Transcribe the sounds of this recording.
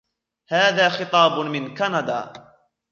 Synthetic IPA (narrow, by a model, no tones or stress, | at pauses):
haːðaːxɨt̪ˤɑːbmɪnkanɑd̪a̰ː